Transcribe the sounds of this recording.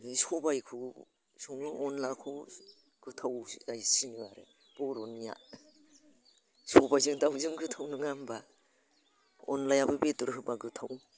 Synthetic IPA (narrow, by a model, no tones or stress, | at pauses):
sɔbajkʰɯ | sɔŋnɯɔnlakʰɯ | ɡ̥ɯtʰawajsiniwaɾḛ | b̥ɔɾɔnːija̰ | sɔbajzɯŋtawzɯŋɡɯtʰawnɯŋamba | ɔ̰nlajabɯbetuɾɦɯbaɡɯtʰaw